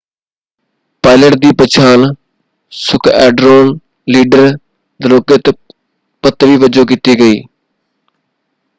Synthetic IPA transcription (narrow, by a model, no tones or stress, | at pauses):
paːɪləʈ̚d̪iːpət͡ʃʰaːn | sʊkʰɛːɖɾoːn | liːɖəɾ | d̪əɾoːkɪt̪ | pət̪ːʋiːʋəd͡ʒoːkit̪iːɡəiː